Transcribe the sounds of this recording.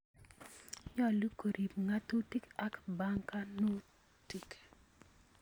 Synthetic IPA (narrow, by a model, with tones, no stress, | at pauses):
ɲɔ˦lu˦ko˨ɾʔi˨pŋa˦tu˦ti˦ka˦kba˦ŋka˦no˦ | ti˨k